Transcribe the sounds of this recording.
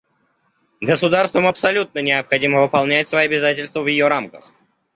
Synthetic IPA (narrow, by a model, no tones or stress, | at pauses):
ɡəsʊd̪arst̪vəmɐpsɐlʲut̪̚nənʲɪɐpxɐdʲiməvɨpɐlˠnʲætʲsvɐiɐbʲɪzatʲɪlʲst̪vəvjɪjoɾamkəx